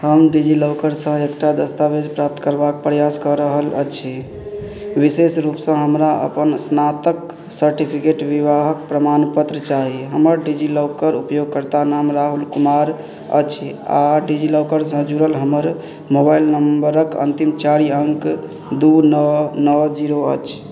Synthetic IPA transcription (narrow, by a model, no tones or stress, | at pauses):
həmɖid͡ʒiloʊkəɾsə̃ekʈad̪əst̪abed͡ʒpɾap̚t̪kəɾbakpɾjaskəɾəɦələ̰t͡ʃʰi | ʋisesɾupsə̃ɦəmɾaʔə̰pənsnat̪ək | səɾʈipʰikeʈʋiʋaɦək̚pɾəmanpət̪ɾət͡ʃaɦiɦəməɾɖid͡ʒiləwkəɾupjoɡ̚kəɾt̪anamɾaɦulkumaɾ | ə̰t͡ʃʰia̰ɖid͡ʒiləkəɾsə̃d͡ʒuɾəlɦəməɾ | mobailnəmbəɾəkə̰nt̪imt͡ʃaɾiəŋk | d̪unənəd͡ʒiɾoə̰t͡ʃʰ